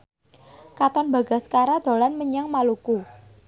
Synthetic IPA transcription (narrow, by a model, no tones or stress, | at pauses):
kat̪ɔnba̤ɡa̤skaɾad̪̥o̤lanməɲaŋmaluku